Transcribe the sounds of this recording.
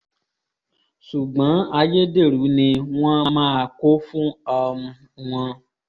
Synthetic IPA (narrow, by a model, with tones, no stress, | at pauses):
su˨ɡ͡bã˨˦a˧je˦de˦˨ɾu˨˦nĩ˧w̃ã˦mãː˦˨ko˦fũ˦ɔ˧m̩˧ | w̃ã˧